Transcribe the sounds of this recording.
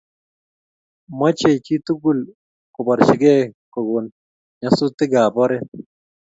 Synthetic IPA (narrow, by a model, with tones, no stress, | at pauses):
ma˦t͡ʃe˨t͡ʃi˦t̪u˦ɡu˨l | kʊ˨bɔ˨ɾʃɪ˨ɡɛ˦kɔ˨ɡo˨n | ɲa˨sʊ˦t̪ɪ˦ɡa˨bɔ˦ɾɛ˦